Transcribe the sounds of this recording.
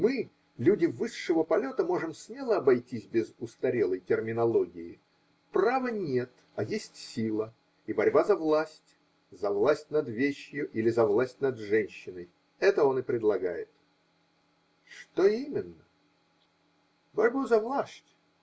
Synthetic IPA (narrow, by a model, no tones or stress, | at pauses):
mɨ | lʲudʲɪvɨʂːəvəpɐlʲo̞t̪əmo̞ʐɨmsʲmʲelˠəɐbɐjtʲisʲbʲɪzʊst̪ɐɾʲelˠəjtʲɪrmʲɪnɐlˠoɡʲɪɪ̰ | pravənʲe̞t̪ | ɐjesʲtʲsʲilˠə | ibɐɾʲbazɐvlˠasʲtʲ | zɐvlˠasʲtʲnɐd̪vʲeɕjʊʔilʲɪzɐvlˠasʲtʲnɐd̪ʐɛnʲɕːɪnəj | ɛt̪əo̞nɨpɾʲɪd̪lˠɐɡa̰jɪt̪ | ʂt̪oimʲɪnːə | bɐɾʲbuzɐvlˠasʲtʲ